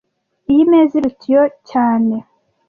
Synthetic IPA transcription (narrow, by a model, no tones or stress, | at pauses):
ijimeːziɾucijo̞caːne̞